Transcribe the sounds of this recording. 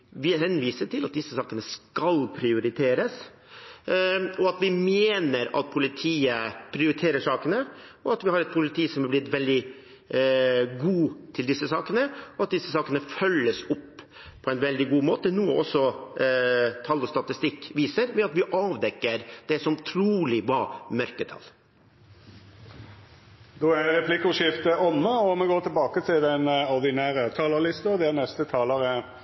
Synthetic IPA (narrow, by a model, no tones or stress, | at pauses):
ʋɪɦɛnʋiːsəʈɪlɑt̪̚d̪ɪsːəsɑːkənəskɑlpʰɾɪʊɾɪt̪ʰeːɾəs | ɔɑt̪ʋɪmeːnəɾɑ̰t̪̚pʰʊlɪt̪ʰiːəpʰɾɪʊɾɪt̪ʰeːɾəʂɑːkənəɔɑt̪ʋɪhɑɾɛt̪̚pʰʊlɪt̪ʰiːsɔmhɑblɪt̪ʋɛld̪ɪ | ɡuːt̪ʰɪld̪ɪsːəsɑːkənəɔɑt̪̚d̪ɪsːəsɑːkənəfœlːəsɔpː | pʰɔɛɪnʋɛld̪ɪɡuːmoːt̪ənuːəʔɔsːɔ | t̪ʰɑlːɔst̪ɑt̪ɪst̪ɪkːʋiːsəɾʋɛɑt̪ʋɪʔɑːʋd̪ɛkːəɾd̪̥ɛsɔmt̪ʰɾuːlɪbɑːmœɾkət̪ʰɑ̰l | d̪oæɾɛpʰlɪkʊʂɪft̪əʔɔmːəɔmɛɡoːt̪ʰɪlbɑːkət̪ʰɪld̪ɛnɔʁd̪ɪnæːʁət̪ʰɑːləlɪst̪ɑd̪ɛnɛst̪ət̪ʰɑːləɾə